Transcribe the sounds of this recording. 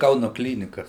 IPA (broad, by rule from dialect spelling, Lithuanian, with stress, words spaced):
ˈkɐʊnʊ ˈklʲiːnʲɪkɐs